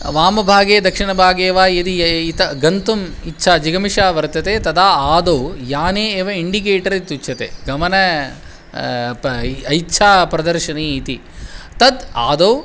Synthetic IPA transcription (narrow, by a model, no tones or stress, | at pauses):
ʋaːmɐbʱaːɡeːd̪ɐkʂiɳɐbʱaːɡeːʋaːit̪iit̪ɐɡɐnt̪umitːʃʰaːd͡ʒiɡɐmiʂaːʋɐɾt̪ɐt̪eːt̪ɐd̪aːaːd̪oːjaːneːeːʋɐiɳɖik̬eːʈɐɾɐit̪ut͡ʃʰɐt̪ḛɡɐmɐnɐ | pɐjtːʃʰaːpɾɐd̪ɐɾʃɐniːt̪i | t̪ɐd̪a̰ːd̪oː